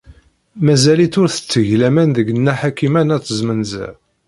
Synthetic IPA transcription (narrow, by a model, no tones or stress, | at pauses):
mæzælit̪ʊɾθə̥t͡sːəʝlæmænðəɡənːæħakimænæt͡sːəzmənzæ̰